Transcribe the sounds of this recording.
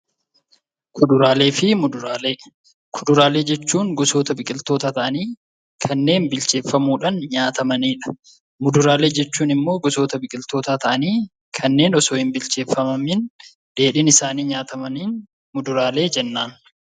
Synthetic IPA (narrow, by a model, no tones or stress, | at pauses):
kʰʊd̪ʊɾaːle̞ːfɪmʊd̪ʊɾaːleː | kʰʊd̪ʊɾaːle̞ːd͡ʒɛt͡ʃːuːŋɡɔso̞ːt̪ɐbɪkʼɪlt̪oːt̪aːt̪ɐʔɐniː | kʰɐnːe̞ːnbɪlt͡ʃe̞ːfːɐmuːᶑaːnɲaːt̪ɐmɐniːᶑɐ̥ | mʊd̪ʊɾaːle̞ːd͡ʒɛt͡ʃːuːnɪmːo̞ːɡɔso̞ːt̪ɐbɪkʼɪlt̪o̞ːt̪aːt̪ɐʔɐniː | kʰɐnːe̞ːnɔsoːɪmbɪlt͡ʃe̞ːfːɐmɐmɪn | d̪̥e̞ːᶑɪnɪsaːniːɲaːt̪ɐmɐniːn | mʊd̪ʊɾaːle̞ːd͡ʒɛnːaːn